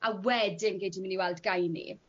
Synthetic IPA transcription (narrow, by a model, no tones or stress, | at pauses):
awɛdɪmɡejtimɪniwɛlˠdɡajnḭ